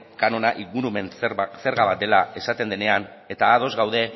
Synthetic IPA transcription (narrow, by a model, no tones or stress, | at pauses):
kano̞naʔiɣuɾume̞nse̞ɾɣaβat̪̚e̞lae̞sat̪e̞nd̪e̞ne̞an | e̞t̪aːð̞o̞zɣawðe̞